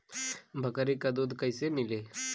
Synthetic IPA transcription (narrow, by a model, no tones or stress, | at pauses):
bʱəkaɾikəd̪od̪kəjsenile